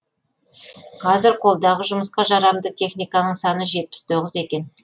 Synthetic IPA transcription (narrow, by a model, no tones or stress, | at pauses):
qʰɑzɪɾqʰo̞lˠd̪ɑʁəʒʊməsqɑʒɑɾɑmd̪ət̪ʰe̞χnijkɑnəɴsɑnəʒe̞t̪̚pɪ̥st̪ʰo̞ʁəze̞kʲe̞n